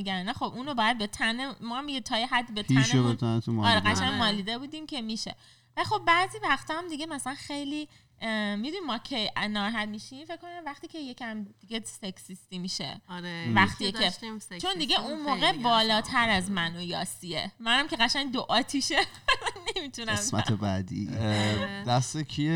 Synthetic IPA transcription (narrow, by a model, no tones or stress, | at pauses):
miɡænnæxobuːnobɒːjæd̪̚be̞t̪ʰænemɒːhæmjet̪ʰɒːjeɦæd̪ːbet̪ʰːnʃebet̪ʰant̪umɒːɾeɡæʃænmɒːliːd̪ebuːd̪imcʰe̞miʃe̞̰ | vælixo̞b̚bæːziːvæχt̪ʰɒːæmd̪iɡemæsælænxe̞jli | mid̪unimɒːcʰejnɒːɾɦæd̪miːʃimfeckːonæmvæxt̪iːcʰejecʰʲæmd̪̥iɡʲeseksist̪imiʃḛɾevæxt̪iekʰet͡ʃʰo̞nd̪iɡeunmoːɣebɒːlɒːt̪ʰæɾæzmænojɒ̰ːsiemænæmkʲe̞ɣæʃænd̪oʔɒːt̪ʰiʃemænːemit̪ʰunæemmæ̰t̪ʰebæd̪ḭː | d̪æst̪ekʰie